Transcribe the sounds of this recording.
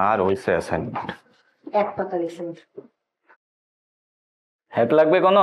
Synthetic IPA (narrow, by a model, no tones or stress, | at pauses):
aɹɦojsɛasɛ̰n | ɛk̚pakalisɛn | hɛt̪laɡ̚bɛkɔnɔ